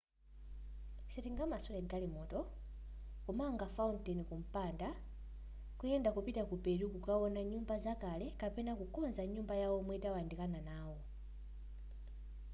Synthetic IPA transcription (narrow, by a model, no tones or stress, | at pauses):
sɛtiŋɡamasɔlɛɡalimɔtɔ | kɔmaŋɡafauntɛnikum̩panda | kujɛndakupitakupɛɾukukawɔnaɲumbazakalɛkapɛnakukɔnzaɲumbajawɔmwɛitawandikananaːwɔ